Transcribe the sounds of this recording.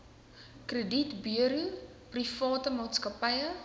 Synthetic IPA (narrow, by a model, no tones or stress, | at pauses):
krəditbiəɾu | prifɑːtəmɑːtskɐpɐjə